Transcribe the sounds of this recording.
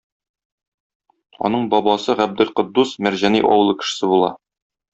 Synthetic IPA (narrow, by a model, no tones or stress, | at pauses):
ɒ̰nɤɴbɒbɑsɤʁæb̚d̪ɘlqŏd̪ːusmæɾʑænḭʔɒ̰wɤ̆lˠɤkɘ̥̆ʃɘ̥̆sɘbulˠɑ̰